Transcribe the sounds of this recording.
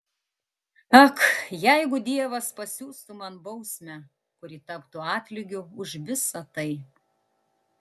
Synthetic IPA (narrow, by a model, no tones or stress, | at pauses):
ɐkjɛɪɡʊd̪ʲiɛʋɐspɐsʲuːst̪ʊmɐnbɐʊsʲmʲɛ | kʊɾʲit̪ɐpt̪ʊɑːt̪ʲlʲɪɡʲʊʊʒʋʲɪsɐt̪ɐɪ